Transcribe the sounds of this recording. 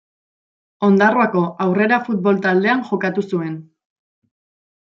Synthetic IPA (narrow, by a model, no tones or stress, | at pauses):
o̞nd̪aroako̞ʔawre̞ɾafut̪̚βo̞lt̪ald̪e̞anʝo̞kat̪usue̞n